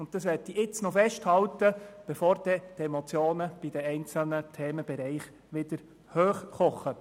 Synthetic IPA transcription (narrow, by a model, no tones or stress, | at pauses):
ʊnt̚tɑsʋɛtːiʔɪt͡snɔfɛʃthɑlt̪əb̥ɛfɔːɾd̥̪ɛt̪ɛmɔt͡sjoːnəb̥id̥̪ɛɛɪnt͡sl̩nət̪ʰɛːməb̥ɛɾɛɪχ | ʋɪd̪əɾ | høːχχɔχːə